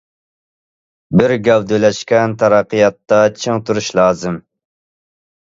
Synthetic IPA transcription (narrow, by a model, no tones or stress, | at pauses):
bɪɾɡʲɛwd̪ølɛʃkʲɛnt̪ʰɑɾɑqəjɑt̪ːɑt͡ʃʰɪŋt̪uɾuʃlˠɑːzɨm